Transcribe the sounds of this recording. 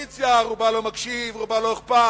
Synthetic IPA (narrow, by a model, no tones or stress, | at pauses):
t͡sjaʁubalomakʃivʁubaloiχpa